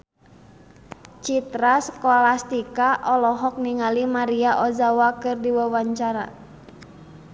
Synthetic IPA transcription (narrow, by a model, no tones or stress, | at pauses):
t͡ʃit̪ɾaskɔlast̪ikaʔɔlɔɦɔk̚niŋalimaɾiaʔɔzawakɨrdiwawaɲt͡ʃaɾa̰